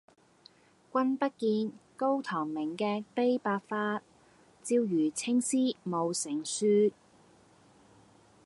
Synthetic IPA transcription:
kʷɐ˥npɐ˥t̚kiː˧nko˥wt̪ʰɔː˨˩ŋmɪ˨˩ŋkɛː˧pe˥jpaː˧kfaː˧t̚ | t͡siː˧wjyː˨˩t͡sʰɪ˥ŋsiː˥mo˨˧wsɪ˨˩ŋsyː˥

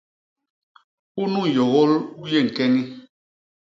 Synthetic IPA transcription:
u˦nu˦˨jɔ˨ɣɔ˦lu˦je˦˨ŋ̩˨kɛ˦ŋi˦

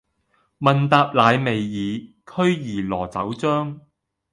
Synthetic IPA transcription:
mɐ˨nt̪aː˧p̚laː˨˧jme˨jːiː˨˧ | kʰɵ˥ɥjiː˨˩lɔː˨˩t͡sɐ˨˥wt͡sœː˥ŋ

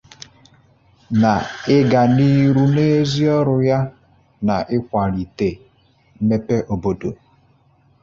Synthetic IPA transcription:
na˨ɪ˦ɡa˨ni˦ɾu˦ne˦zi˦ɔ˦ɾʊ˨ja˦ | na˨ʔɪ˦kʷa˨ɾi˨te˨˦ | me˦pe˦ʔo˨bo˦do̰˨

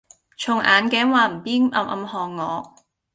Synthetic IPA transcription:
t͡ʃʰʊ˨˩ŋʔa̰ː˨˧nkɛː˨˥ŋwaː˨˧m̩˨˩piː˥nʔɐ̰˧mʔɐ̰˧mhɔː˨ŋːɔː˨˧

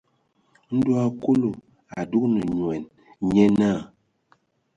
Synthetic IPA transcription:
n̩˦du˦a˦ko˦lo˨ | a˨du˦k̚nə˨ɲwɛ˨n | ɲɛ˦na˦˨

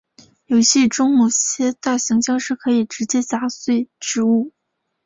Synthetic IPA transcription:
jo˧˥ʊɕi˥˩ʈ͡ʂʊ˥ŋmo˧˩ʊɕjɛ˥t̪a˥˩ɕi˧˥ŋt͡ɕjɑ˥ŋʂɻ̩˥˩kʰɤ˧˥i˨˩ʈ͡ʂɻ̩˧˥t͡ɕjɛ˥t͡ɕa˧˥swe˥˩ɪʈ͡ʂɻ̩˧˥u˥˩

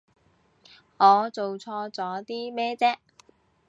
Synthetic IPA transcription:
ŋɔː˨˧t͡so˨wt͡sʰɔː˧t͡sɔː˨˥t̪iː˥mɛː˥t͡sɛː˥ʔ

